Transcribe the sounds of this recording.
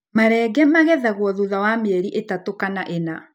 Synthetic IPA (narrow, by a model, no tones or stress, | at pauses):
maɾɛɡɛmaɣɛðaɣwɔðuðawameɛɾiʔetatokanaʔena